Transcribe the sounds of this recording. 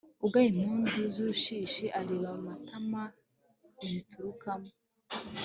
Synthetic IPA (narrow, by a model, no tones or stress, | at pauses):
uɡaim̥uːndizuuʃiːʃiʔaɾeːβamumatʰama | izitʰuɾukamo